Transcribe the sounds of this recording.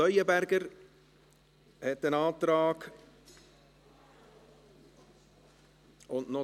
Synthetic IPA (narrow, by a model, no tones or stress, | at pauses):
œʏəbæɾɡəɾ | hɛtənɑːt̪ɾɑːɡ | ʊnnɔ